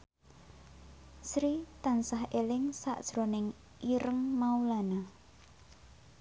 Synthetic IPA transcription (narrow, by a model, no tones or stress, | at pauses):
sɾit̪ansahelɪŋsa̰ʔd̥ʒ̥ɾonɪŋ | iɾəŋmaulana